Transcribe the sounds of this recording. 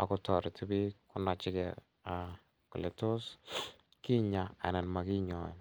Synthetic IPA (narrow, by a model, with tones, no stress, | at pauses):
a̰˨kʊ˦tɔ˨ɾɪ˨tʰi˦bi˦kʊ˦na˨t͡ʃɪ˦kɛ˨ | a˨ | kʊ˨lɛ˨to˦s | ki˦ɲa˨a̰˨na˨nma˨ki˦ɲɔ̰˨n